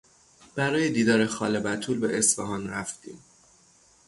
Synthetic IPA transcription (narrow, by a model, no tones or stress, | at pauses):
b̥æɾɒːje̞d̪iːd̪ɒːɾe̞xɒ̰ːle̞bæt̪ʰuːlbe̞ʔesfḛɦɒːnɾæft̪ḭːm